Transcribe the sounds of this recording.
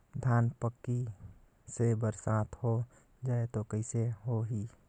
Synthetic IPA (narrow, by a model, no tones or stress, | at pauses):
d̪ʱjaːnpəkːi | sebəɾsaːt̪ʰho | d͡ʒaːet̪okəɪseɦoɦi